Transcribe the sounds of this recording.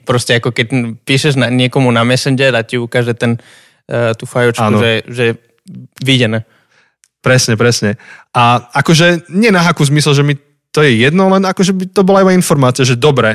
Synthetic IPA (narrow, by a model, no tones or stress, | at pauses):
pɾɔscɛakɔkɛcpiːʃɛʒnaɲɪɛkɔmunamɛsɛnd͡ʒɛlaciukaːʒɛt̪ɛn | t̪ufajɔt͡ʃakːnuʒɛʒɛɛ | ʋiɟɛnɛː | pɾɛsɲɛpɾɛsɲɛʔaakɔʒɛɲɪɛnaɦakuzmisɛlʒɛmi | t̪ɔjɛjɛd̪nɔlɛnakɔʒɛbit̪ɔbɔlaibainfɔɾmaːt͡siaʒɛd̪ɔbɾɛ